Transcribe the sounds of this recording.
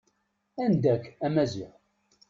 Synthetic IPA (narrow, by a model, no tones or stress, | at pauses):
ænd̪ækːæmæzḭʁ